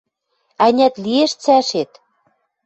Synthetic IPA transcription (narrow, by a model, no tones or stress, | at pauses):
ænʲæt̪lieʃt͡sæʃet̪